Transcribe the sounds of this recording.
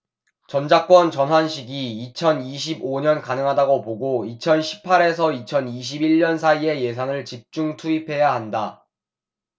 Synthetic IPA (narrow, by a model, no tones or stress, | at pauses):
t͡ɕʌnd͡ʑak͈wʌnt͡ɕʌnɦwanɕʰiɡiːt͡ɕʰʌniɕ̬ʰiboɲʌnkanɯŋɦadaɡopoɡoit͡ɕʰʌnɕʰi̥pʰaɾe̞s̬ʰʌit͡ɕʰʌniɕ̬ʰibiɭːʌnsʰaie̞je̞sʰaŋɯɭt͡ɕip̚t͡ɕ͈uŋtʰuipʰe̞jaɦanda